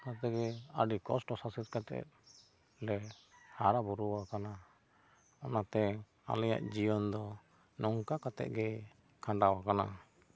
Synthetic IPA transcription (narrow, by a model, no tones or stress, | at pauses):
kat̪ɛɡɛəɖikɔsʈɔsasit̪̚kat̪ɛ̰t̪̚ | lɛhaɾabuɾuwakana | ɔnat̪ɛ | a̰lɛja̰ʔd͡ʒijɔnd̪ɔ | nɔŋkakat̪ɛ̰t̪̚ɡɛ | kʰãɳɖawakana̰